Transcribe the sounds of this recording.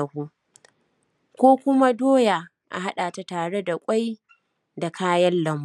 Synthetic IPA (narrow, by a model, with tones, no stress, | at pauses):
ɐ˨huː˦ | kʷoː˦kʷʊ˦ma˦doː˦ja˨ | ʔa̰˨ɦa˦ɗaː˨ta˦taː˨ɽe˦da˨kʷʼa˦j | da˨kʰaː˦jɐ˦nlɐ˨mb